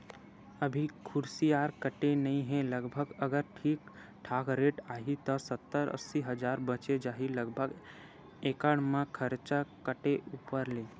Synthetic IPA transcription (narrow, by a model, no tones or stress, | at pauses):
əbʱikʰʊɾsiaːɾkəʈenəĩɦɛ̃ləɡbʱəɡəɡəɾʈʰiːk | ʈʰaːkɾeːʈaːɦit̪ɔsət̪ːəɾə̰sːiɦəd͡ʒaːɾbət͡ʃed͡ʒaːɦiləɡbʱəɡ | eːkəɽ̃mãkʰəɾt͡ʃakəʈeʔuːpəɾleː